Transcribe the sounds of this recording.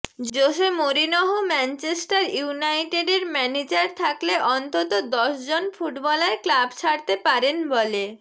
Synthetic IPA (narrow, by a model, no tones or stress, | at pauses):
d͡ʑd͡ʑoʃemoɾinoɦomɛnt͡ɕesʈaɾunajʈeɖeɾmɛned͡ʑaɾt̪ʰakleʔɔnt̪ot̪od̪ɔʃd͡ʑonfuʈbɔlaeklabt͡ɕʰaɽt̪epaɾenbɔle